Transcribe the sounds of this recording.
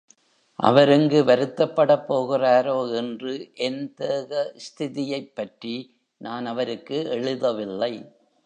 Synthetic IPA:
ʔɐ̰ʋɐɾɛŋɡɯʋɐɾɯt̪ːɐpːɐɽɐpːoːɣɪraːɾoːɛndrɯʔɛnt̪eːɣɐɪst̪ʰɪðɪjɐɪpːɐʈri | naːnɐʋɐɾɯkːɯɛɻɯðɐʋɪlːɐɪ

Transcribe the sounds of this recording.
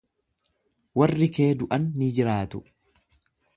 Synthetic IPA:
wɐrːɪke̞ːd̪ʊʔɐnːɪd͡ʒɪɾaːt̪ʊ

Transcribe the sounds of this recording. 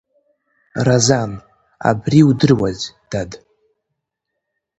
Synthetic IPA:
razan | a̰briudɨrwazd̥ad

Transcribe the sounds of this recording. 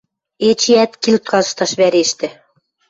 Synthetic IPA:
et͡ɕiæt̪kilt̪kɑzɤ̆ʃt̪ɑʃβæɾeʃt̪ɘ̆

